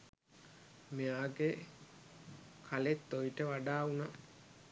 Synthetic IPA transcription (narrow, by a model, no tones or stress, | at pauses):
meaːɡe | kʰalet̪ːojiʈəʋaɖaːuna